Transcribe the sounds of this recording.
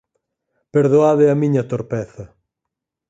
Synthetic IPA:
peɾðoaðɪɐmiɲɐt̪oɾpɛθɐ

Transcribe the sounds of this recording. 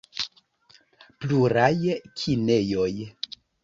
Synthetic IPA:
pluɾajkʰine̞jo̞j

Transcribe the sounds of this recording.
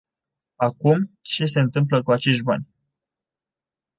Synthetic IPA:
akumt͡ʃes̬e̞ɨnt̪ɨmp̬ləkuat͡ʃe̞ʃʲba̰nʲ

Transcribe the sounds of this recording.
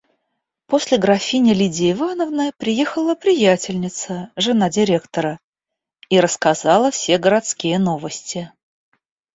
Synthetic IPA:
po̞sʲlʲɪɡɾɐfʲinʲɪlʲidʲɪɪvanəvnəjəpɾʲɪjexəlˠəpɾʲɪjætʲɪlʲnʲɪt̪səʐɨnadʲɪɾʲe̞kt̪əɾə | iɾəskazɑlˠəfsʲe̞ɡəɾat̪skʲijəno̞vəsʲtʲɪ

